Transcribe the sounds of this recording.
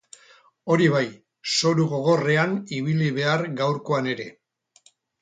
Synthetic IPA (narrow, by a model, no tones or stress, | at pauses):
o̞ɾiβ̞aj | so̞ɾuɣo̞ɣ̞o̞re̞aniβiliβe̞aɾɣawɾko̞ane̞ɾe̞